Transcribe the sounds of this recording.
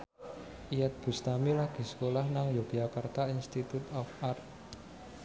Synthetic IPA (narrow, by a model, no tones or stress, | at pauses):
ʔijat̪̚b̥ṳst̪amilaɡ̥i̤sə̥kolahnaŋjoɡakart̪ainst̪it̪ut̪ɔfart̪